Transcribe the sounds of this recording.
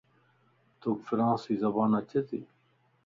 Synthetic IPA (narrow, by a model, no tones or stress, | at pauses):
t̪oːkfɪɾãːsiːzɐbãːnɐt͡ɕʰet̪iː